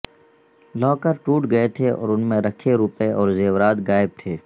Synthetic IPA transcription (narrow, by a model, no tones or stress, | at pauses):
lɔːkəɾʈuːʈɡɐet̪ʰeʔɔ̰ːɾʊnmẽɾɐkʰeɾuːpeʔɔːɾzeːwɾaːd̪ɡaːɪb̚t̪ʰeː